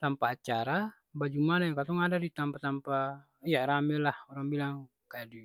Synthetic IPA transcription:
t̪ampaːt͡ʃaɾa | bad͡ʒumanajakat̪ɔŋadadit̪ampat̪ampa | ijaɾamɛlahɔɾaŋbilaŋ | kaadi

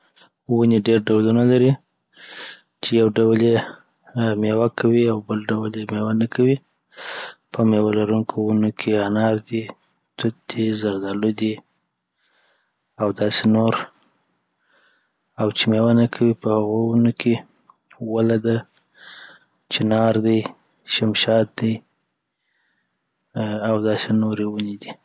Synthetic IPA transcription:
wuneɖeɾɖawlunalaɾi | t͡ʃejawɖawlje | mewakʰawiawbəlɖawaljemewanakʰawi | pʰəmewalaɾuŋkʰowunokʰeanɑɾd̪i | t̪ʊt̪̚d̪̥izaɾd̪ɑlod̪i | awd̪ɑsenoɾ | awt͡ʃemewanakʰawipəhaɣounokʰe | walad̪a | t͡ʃɪnɑɾd̪i | ʃɪmʃɑt̪̚d̪i | awd̪ɑsenoɾewuned̪i

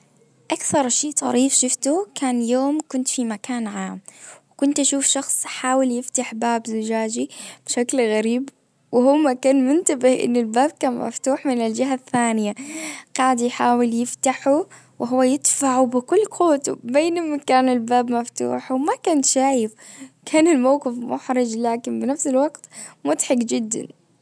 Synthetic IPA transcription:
ʔakθɑɾˤʃiːt̪ˤɑ̰ɾiːfʃɪft̪ukʰaːnjoːmkʊnt̪fimakaːnʕaːmwɪkʊnt̪ʔaʃuːfʃɑxsˤħaːwɪljɪft̪aħbaːbzʊd͡ʒaːd͡ʒib̥ʃaklɣaɾiːb | wɪhʊmːakaːnmʊnt̪abɪhʔɪ̰nːɪlbaːb̚kaːnma̰ft̪uːħmɪnɪld͡ʒɪɦaθːaːnɪjaqɑːʕd̪ijħaːwɪljɪft̪aħu | wɪɦʊwːajɪd̪faʕubɪkʊlːkʰuːt̪ṵbeːnamːakaːnɪlbaːbmaft̪ṵːħwmakanʃaʕifkʰaːnɪlmawqɪfmʊ̰ħɾɪd͡ʒlaːkɪnbɪnafsɪlwɑɡt̪mʊt̪ħɑɡd͡ʒɪd̪ːa̰n

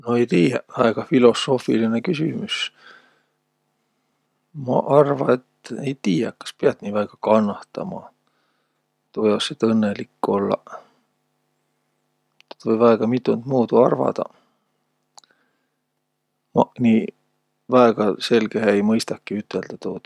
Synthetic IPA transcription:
noejt̪iːjæɑeɡ̥ɑfilo̞so̞ːfiline̞kys̬imys | mɑ̰ʔɑrvɑe̞t̪ːejt̪iːjɑkːɑ̥speɑt̪niːvæːɡ̥ɑkɑnːɑht̪ɑ̰mɑ̰ | t̪ojoset̪ɤnːe̞likːo̞lːɑ̰ | e̥t̪vɤjvɑeɡ̥ɑmit̪ːˑunt̪muːd̪uɑrvɑ̰d̪̥ɑ̰ | mɑniː | væeɡ̥ɑse̞lɡ̥eɦeejmɤjst̪ɑkːˑiyt̪ːˑe̞ld̪̥ɑt̪uːt̪

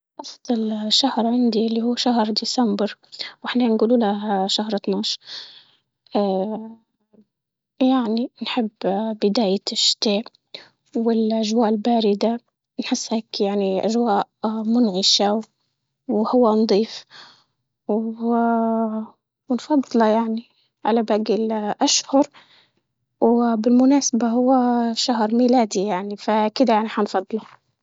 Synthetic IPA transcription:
ʔɑsˤɪlʃːahɾʕɪnd̪ilːihuːʃahɾd̪ɪsambɾwʔɪħnanɡuːluːlaʃahɾˤt̪naːʃ | ʔa | jaʕninħɪbːbɪd̪aːjaʃːt̪eːʔ | wɪlʔaʒwaːʔɪlbaːɾɪd̪a | nħɪsːheːkjaʕniʔaʒwaːʔmʊnʕɪʃaw | whʊwːand̪ˤiːf | w | wnfɑd̪ˤːlɑjaʕni | ʕalabaɡɪlʔaʃhʊɾ | wbɪlmʊnaːsabaɦʊwːaʃaɦɾˤmilaːd̪ijaʕnifakɪd̪ajaʕniħɑnfɑd̪ˤlɑ

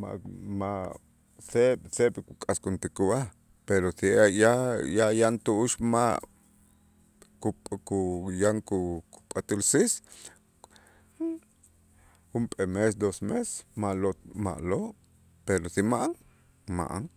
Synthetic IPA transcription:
ma̰ʔmaʔ | seɓseɓkukʼaskunt̪ikuβa | peɾoθijajajant̪uʔuʃmaʔ | kukujaŋkuku̥pʼat̪ilsis | xumpʼemesd̪osmese̥maʔloma̰ʔloʔ | peɾosimaʔaŋ | ma̰ʔa̰ŋ

